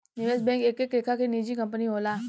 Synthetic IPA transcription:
juesbɛ̃ːŋkeːkekɾeːkʰakenid͡ʒikɐ̃mp̬əniɦoːlaː

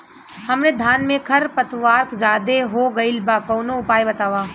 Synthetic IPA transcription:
hɐmned̪ʱaːnmẽkʰɐɾpɐt̪ʋaːɾkd͡ʒaːd̪eɦoɡɐɪlbakɔːnoʊpaːjbɐt̪aːʋaː

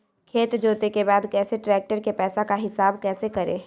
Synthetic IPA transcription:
kʰeːt̪d͡ʒoːt̪ekebaːd̪kɛːseʈɾɛːk̚ʈəɾkepɛːsakaɦɪsaːbkɛːsekɐɾḛ̃ː

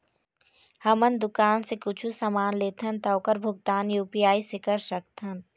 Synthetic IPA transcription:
hɐmənd̪ʊkaːnsekʊt͡ʃʰusɐmaːnleːt̪ʰɐnt̪ɐːkəɾbʱʊɡ̚t̪aːnjuːpijaːisɪkəɾʃɐkt̪ʰɐn

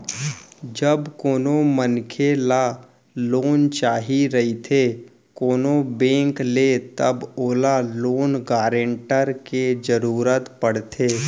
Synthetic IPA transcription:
d͡ʒəbkoːnomənkʰela | loːnt͡ʃaːɦiɾɐɦit̪ʰe | koːnobẽːŋklet̪əboːlaloːnɡaːɾẽɳʈəɾked͡ʒəɾuːɾət̪pəɽ̤t̪ʰeː

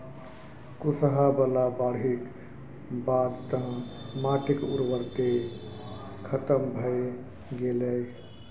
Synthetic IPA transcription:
kusɦabəlabaɾɦik | baɾt̪ə̃maʈikṵɾʋəɾt̪e | kʰət̪əmbʱəj | ɡeləj

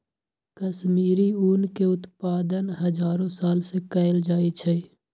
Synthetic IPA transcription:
kəsmiːɾiuːnkeʊt̪paːd̪ənɦəd͡ʒaːɾõsaːlsekəɪld͡ʒaːit͡ʃʰe

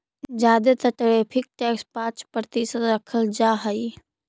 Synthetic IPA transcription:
d͡ʒaːd̪et̪əʈəɾepʰɪk̚ʈɛːkspãːt͡ʃpɾət̪isət̪ɾəkʰəld͡ʒaːɦəi

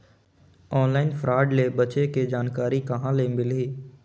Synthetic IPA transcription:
ɔːnlaːɪnfɾaːɖlebət͡ʃeked͡ʒaːnkaːɾikɐɦãleːmɪliː

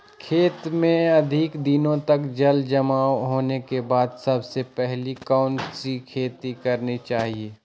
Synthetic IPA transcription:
kʰeːt̪mẽɐd̪ʱɪkd̪ɪnõt̪ɐkd͡ʒɐld͡ʒɐmaːoɦoːnekebaːd̪sɐbsepɛɦlikaʊnʈsikʰeːt̪ikɐɾnit͡ʃaːɦieː

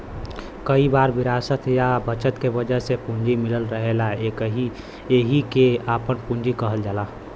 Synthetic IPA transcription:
kəibaːɾʋɪɾaːsət̪jabət͡ʃət̪keʋəd͡ʒəɦsepũɲd͡ʒimɪləlɾəɦelaekɦi | eɦikeaːpənpũnd͡ʒikəɦəld͡ʒaːla

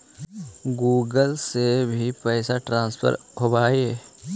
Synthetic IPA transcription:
ɡuːɡəlsebʱipɛːsaʈɾãːnspʰə̰ɾɦobaːeː

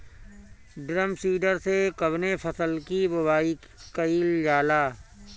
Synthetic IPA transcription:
ɖɾəmsiːɖəɾsekəbnefʰəsəlkibʊbaːi | kəiːld͡ʒaːlaː

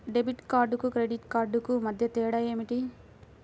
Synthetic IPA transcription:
ɖebiʈkaːɾɖukukɾeɖiʈkaːɾɖukumɐd̪ʱjɐt̪iːɽɐjeːmiʈi

